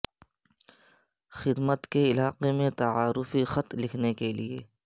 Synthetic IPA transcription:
xɪd̪mət̪keɪlaːqemẽt̪ɐaːɾʊfixɐt̪lɪkʰnekeliḛː

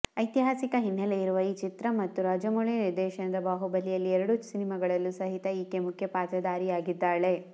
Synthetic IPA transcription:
ɐjt̪iɦaːsikɐɦinːɐlejiɾuʋɐiːt͡ʃit̪ɾɐmɐt̪ːuɾaːd͡ʒɐmuɭiniɾd̪ɛːʃɐnɐd̪ɐbaːɦubɐlːijɐlːiɛɾɐɽusinimɐɡɐɭɐlːusɐɦit̪ɐiːkemukʰjɐpaːt̪ɾɐd̪aːɾiaːɡid̪ːaːɭe̞

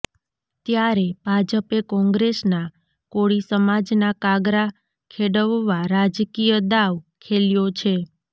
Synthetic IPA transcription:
t̪jaɾeb̥ʱad͡ʒəpekɔ̃ŋɡɾesna | koɭisəmad͡ʒnakaɡɾa | kʰeɽəʋːaɾad͡ʒkijəd̪aʋkʰeljot͡ʃʰe

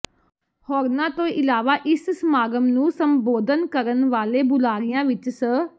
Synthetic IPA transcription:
hɔːɾnãːt̪õːʔɪlaːʋaːʔɪssmaːɡəmnũːsəmboːd̪ənkəɾənʋaːleːbʊlaːɾɪjãːʋɪt͡ʃsə

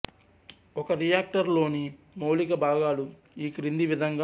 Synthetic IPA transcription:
ɔkɐɾijaːk̚ʈɐɾlo̞ːni | moːwlikɐbʱaːɡaːlu | iːkɾind̪iʋid̪ʱɐŋɡa

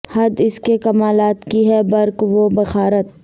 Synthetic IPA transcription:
hɐd̪ɪskekɐmaːlaːt̪kiɦɛbɐɾkʋobɐxaːɾət̪̚

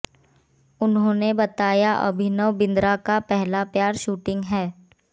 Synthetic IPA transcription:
ʊnɦõːnebɐt̪aːjaʔɐ̰bʱɪnəʋbɪ̃nd̪ɾakapɛɦlapjaːɾʃuːʈɪ̃ŋɡɦɛː

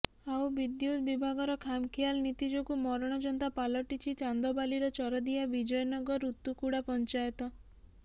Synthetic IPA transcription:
awbid̪jut̪bibʱaɡɔɾɔkʰamkʰijalnit̪id͡ʒɔkumɔɾɔɽ̃ɔd͡ʒɔnt̪apalɔʈit͡ʃʰit͡ʃand̪ɔbaliɾɔt͡ʃɔɾɔd̪iabid͡ʒɔjɔnɔɡɔɾut̪ːukuɽapɔnt͡ʃajɔt̪ɔ

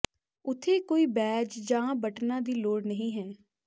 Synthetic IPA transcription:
ʊt̪ʰeːkoːiːbɛːd͡ʒd͡ʒãːbəʈnãːd̪iːloːɽnəɦĩːɦɛː

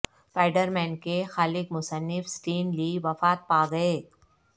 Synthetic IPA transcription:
paːɪɖəɾmɛ̃ːnkexaːlɪkmʊsənːɪfsʈiːnliʋɐfaːt̪̚paːɡɐeː

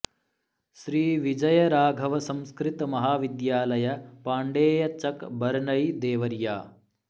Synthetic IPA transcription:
ʃɾiːʋid͡ʒɐjɐɾaːɡʱɐʋɐsɐ̃m̃skɾit̪ɐmɐɦaːʋid̪jaːlɐjɐpaːɳɖeːjɐt͡ʃɐkbɐɾɳɐjd̪eːʋɐɾjaː

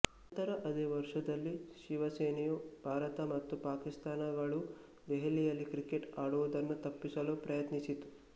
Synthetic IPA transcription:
ɐt̪ɐɾɐʔɐd̪eːʋɐɾʂɐd̪ɐlːiʃiʋɐseːnijubʱaːɾɐt̪ɐmɐt̪ːupaːkist̪aːnɐɡɐɭu | d̪eɦelːijɐlːikɾikeʈaːɽuʋud̪ɐnːut̪ɐpːisɐluːpɾɐjɐt̪nisit̪u̥

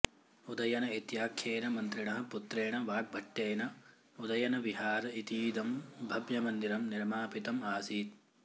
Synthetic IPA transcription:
ud̪ɐjɐnɐit̪jaːkʰjeːnɐmɐnt̪ɾiɳɐɦɐ̆put̪ɾeːɳɐʋaːɡ̚bʱɐʈːeːnɐ | ud̪ɐjɐnɐʋiɦaːɾɐit̪iːd̪ɐmbʱɐbjɐmɐnd̪iɾɐmniɾmaːpit̪ɐmaːsiːt̪̚

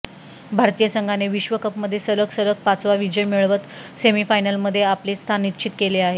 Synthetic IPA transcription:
bʱaɾt̪ijəsəŋɡʱaneʋiɕʋəkəpməd̪ʱːjesəɾəksəɾək̚pat͡sʋaʋid͡ʑəjmiɭʋət̪semifajnəlməd̪ʱːjeaplest̪ʰanːitːɕʰit̪keleaɦe

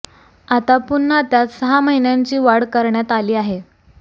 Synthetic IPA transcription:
at̪apunːəat̪jat̪səɦaməɦinjaɲt͡ɕiːʋaɽkəɾɳjat̪aliːaɦe

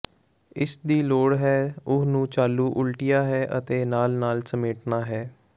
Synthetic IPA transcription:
ɪsd̪iːloːɽɦɛːʊnũːt͡ʃaːlːuːʔʊlʈɪjaːɦɛːʔə̰t̪eːnaːlnaːlsəmeːʈnaːɦɛː

